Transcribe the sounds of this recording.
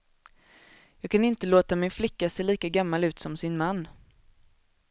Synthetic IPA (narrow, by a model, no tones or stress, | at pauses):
jɑːɡ̚kʰanɪnt̪əloːt̪amɪnflɪkːaseːliːkaɡamːalʉ̟ːt̪sɔmsɪnmanː